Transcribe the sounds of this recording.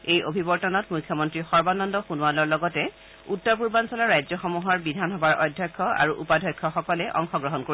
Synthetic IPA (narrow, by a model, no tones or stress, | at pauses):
ejʔobʱibɔɹtɔnɔtmujkʰːjɔmɔntɹixɔɹbanɔndɔxunuwalɔɹlɔɡɔtɛ | utːɔɹp̬uɹbansɔlaɹajzɔxɔmuɦɔɹbidʱanɦɔbaɹʔɔjdʱjɔjkʰːɔa̰ɹuʔupadʱɔjkʰːɔxɔkɔlɛʔɔ̰ŋxɔɡɹɔɦɔnkoɹi